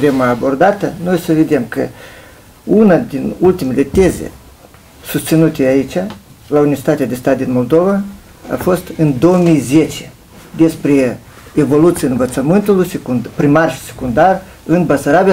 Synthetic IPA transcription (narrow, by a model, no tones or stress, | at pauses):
t̪e̞maːbo̞rd̪at̪əno̞jsəved̪e̞mkə̰ | unad̪inult̪imele̞t̪e̞zḛ | sust̪sinut̪ʲeait͡ʃʲa | launivʲet͡ʃit̪at̪ead̪e̞st̪at̪̚d̪inmo̞lˠd̪o̞va | a̰fo̞st̪ɨnd̪o̞wəmijze̞t͡ʃe | d̪e̞spɾe | evo̞lut̪siaɨnvət̪səmɨnt̪ulujsekupɾimarʃi̥se̥kund̪ar | ɨnbasaɾabia